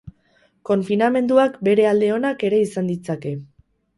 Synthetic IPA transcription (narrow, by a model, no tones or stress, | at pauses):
ko̞ɱfiname̞nd̪uakbe̞ɾe̞ald̪e̞o̞nake̞ɾe̞isand̪it͡sake̞